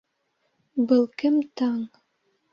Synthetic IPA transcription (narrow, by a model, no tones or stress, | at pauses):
bɤ̆lˠkɘmt̪ɑɴ